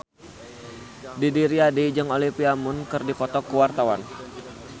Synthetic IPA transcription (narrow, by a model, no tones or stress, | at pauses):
didiɾiadid͡ʒɨŋolipiamʊnkɨrdikɔt̪ɔkəwart̪awan